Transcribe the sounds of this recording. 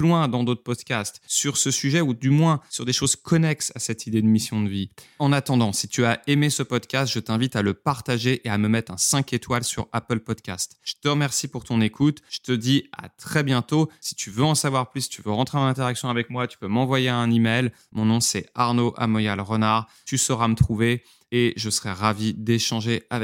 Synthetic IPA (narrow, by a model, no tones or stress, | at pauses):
plwɛ̃d̪ɑ̃d̪ot̪χpɔd̪kʲast̪syʁsəsyʒɛud̪ymwɛ̃syʁd̪eʃozkʰɔnɛksasɛt̪ʰid̪ed̪əmisjɔ̃d̪əviɑ̃nat̪ɑ̃d̪ɑ̃sit̪yaemesəpɔd̪kʲast̪ʒ̥ət̪ɛ̃vit̪aləpaʁt̪aʒeʔeaməmɛt̪χɛ̃sɛ̃ket̪walsy̰ʁapəlpɔd̪kʲa̰st̪ʒ̥ə̥t̪əʁəmɛʁsipuʁt̪ɔ̃nekʰut̪ʒ̥ə̥t̪əd̪ia̰t̪χɛbjɛ̃t̪osi̥t̪ʰyvøɑ̃savwaʁplysi̥t̪yvøʁɑ̃t̪χeɑ̃nɛ̃t̪eʁaksjɔ̃avɛkmwat̪y̥pømɑ̃vwajeaɛ̃nimɛjl | mɔ̃nɔ̃sɛaʁnoʔa̰mɔjalʁənaʁ | t̪ysəʁamət̪χuve | eʒəsəχɛʁavid̪eʃɑ̃ʒeavɛ